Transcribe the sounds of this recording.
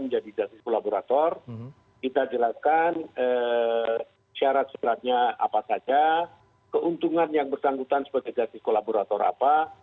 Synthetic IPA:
məd͡ʒadid͡ʒast̪ɪskolaboɾat̪ɔr | kit̪ad͡ʒəlakanə | ʃaɾat̪̚ʃaɾat̪̚ɲaa̰pasad͡ʒa | kəʔunt̪uŋanjaŋbərsaŋɡut̪ansəbaɡajd͡ʒast̪ɪskolaboɾat̪ɔɾa̰pa

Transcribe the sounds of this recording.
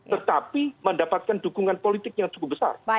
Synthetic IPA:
ət̪apiməndapat̪̚kandukuŋanpolit̪ɪk̚jaŋt͡ʃukʊp̚bəsa̰r

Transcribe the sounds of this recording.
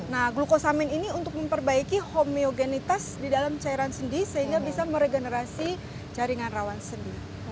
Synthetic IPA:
nahɡlukosamɪniniunt̪ʊk̚məmpərbaikihomioɡenit̪asdidalamt͡ʃaiɾansəndisəɦiŋɡabisaməɾeɡenəɾasi | d͡ʒaɾiŋanrawansəndi

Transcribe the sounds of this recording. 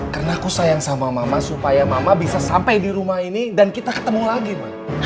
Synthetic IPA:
kərnaːkusajaŋsamamamasupajamamabisasampajdiɾumahinidankit̪akə̥t̪əmulaɡimah

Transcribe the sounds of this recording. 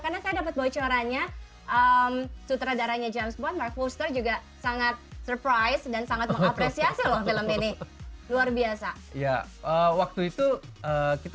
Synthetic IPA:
karnasajadapat̪̚bawat͡ʃaɾaɲa | ʔəmsut̪ɾadaɾaɲad͡ʒamsbɔnmark̚fost̪ərd͡ʒuɡa | saŋat̪̚sərpɾajsdansaŋat̪makaapɾesiasilahdaləminɪluarbiasa | ijaʔəwak̚t̪uit̪uəːkit̪

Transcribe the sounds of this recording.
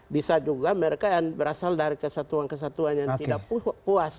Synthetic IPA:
bisad͡ʒuɡaməɾekajaŋbəɾasaldaɾikəsat̪uankəs̬at̪uanjaŋidakppuas

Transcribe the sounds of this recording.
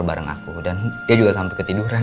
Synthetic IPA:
rba̰ɾaŋa̰kudaniad͡ʒuɡasampəkət̪iduɾan

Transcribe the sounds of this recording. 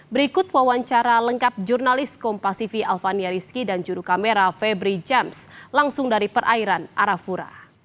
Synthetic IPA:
bəɾikʊt̪̚wawaɲt͡ʃaɾaləŋkap̚d͡ʒurnalɪskɔmpasifiʔalfaniaɾiskidand͡ʒuɾukameɾafɛbɾid͡ʒɛmslaŋsʊŋdaɾipərʔaiɾanʔaɾafuɾa̰

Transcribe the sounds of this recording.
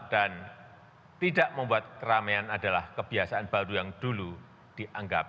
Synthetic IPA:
d̥an | t̪idaʔməmbuat̪̚kəɾameanadalahkəb̥iasaanb̥aɾujaŋd̥ulu | d̥iʔaŋɡap

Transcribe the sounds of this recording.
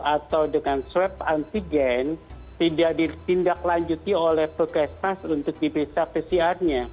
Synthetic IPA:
at̪awdəŋanswɛp̚ant̪iɡɛn | t̪idaʔdit̪indaklaɲd͡ʒut̪iolɛhpəkɛsmasunt̪ʊk̚dipɾisapesiarɲa

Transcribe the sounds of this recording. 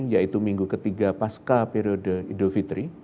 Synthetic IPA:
jait̪umiŋɡukət̪iɡapaskapeɾiodəidolfit̪ɾi

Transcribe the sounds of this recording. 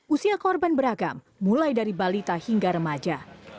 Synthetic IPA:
ʔusiakɔrbanbəɾaɡamːulajdaɾibalit̪ahiŋɡaɾəmad͡ʒa

